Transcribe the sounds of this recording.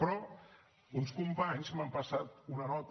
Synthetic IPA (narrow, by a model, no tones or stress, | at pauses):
pɾɔ | unskumpaɲzmampasat̪unənɔt̪